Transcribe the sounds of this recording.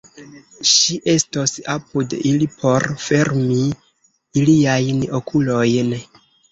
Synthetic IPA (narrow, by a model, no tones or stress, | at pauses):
ʃiʔe̞stosapudilipʰo̞ɾfe̞ɾmi | iliajno̞kʰulo̞jn